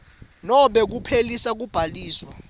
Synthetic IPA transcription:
nɔɓɛk̬upʰelisak̬ub̥ʱaliːswa

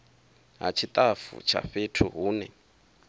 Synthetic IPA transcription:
ɦa̰t͡ʃʰit̪ʼafṵt͡ʃʰa̰ɸetʰuɦuːnɛ

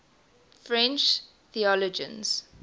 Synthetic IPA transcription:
fɹɛ̃nt͡ʃ | θiɔlɔd͡ʒə̰̃nz̥

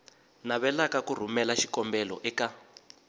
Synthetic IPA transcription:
naβɛlakakur̤umɛlaʃi̥kɔmbɛlɔʔɛka

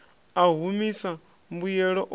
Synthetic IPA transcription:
aɦumisa | mbujɛɺɔʔ

